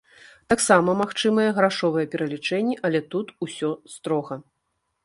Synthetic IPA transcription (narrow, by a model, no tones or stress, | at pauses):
t̪aksamɐmaxt͡ʂɨmɐjɛɣɾaʂɔvɐjɛpʲɛɾɐlʲit͡ʂɛnʲːɛʔɐlʲɛt̪ut̪usʲɔst̪ɾɔɣɐ